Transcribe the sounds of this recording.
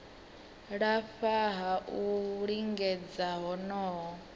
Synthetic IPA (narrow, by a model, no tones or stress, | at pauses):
ɺaɸaɦaʔuɺiŋɡɛd͡zaɦɔnɔːɦɔ